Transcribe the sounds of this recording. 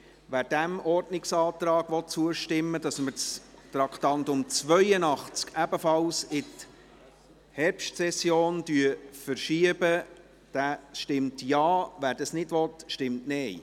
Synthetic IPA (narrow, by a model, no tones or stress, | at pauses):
ʋæːɾd̥æmʔɔɾdnɪksɑːt̪ɾɑːɡ̥ʋɔt̚t͡suəʃtɪmːədɑsməɾt͡st̪ɾɑktɑntʊmt͡svœjənɑχt͡skæbəfɑlsɪt | hɛɾpʃtsɛsjoːnd̥yːəfəɾʃiəbə | d̥æːʃtɪmtjɑːʋæːɾd̥ɑsnɪdʋɔt̪ʃtɪmtnɛɪ